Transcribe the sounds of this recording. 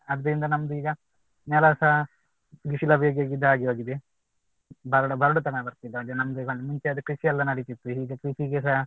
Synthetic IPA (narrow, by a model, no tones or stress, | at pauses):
ɐd̪ːɐɾind̪ɐnɐmd̪uiːɡɐ | nɛlɐsɐɦ | ɡiʃilɐbʱjeːɡeːɡid̪ːaːɡioːɡid̪e | bɐɾɽɐbɐɾɐɽut̪ɐnɐbɐɾt̪id̪ɐɐd̪enɐmd̪uiːɡɐmuɲt͡ʃeɐd̪ukɾiʃiɐlːɐnɐɽit̪it̪ːuɦiːɡekɾiʃiɡes̬a